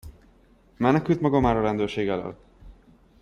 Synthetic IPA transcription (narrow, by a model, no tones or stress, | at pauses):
mɛnɛkylt̪mɒɡɒmaːɾɒɾɛnd̪øːrʃeːɡɛlø̰t̪ː